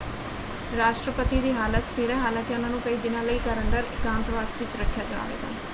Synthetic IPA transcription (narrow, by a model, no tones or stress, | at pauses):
ɾaːʃʈɾəpət̪iːd̪iːɦaːlət̪st̪ʰeːɾɛːɦaːlãːkeʊnãːnũːkəiːd̪ɪnãːləiːkəɾəɳɖəɾɪkãːnt̪ʋaːsʋɪt͡ʃɾəkʰːjaːd͡ʒa̰ːʋḛːɡ̪a̰ː